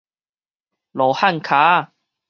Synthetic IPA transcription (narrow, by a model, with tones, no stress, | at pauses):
lɔ˨˩ha˥˨nkʰa˨˦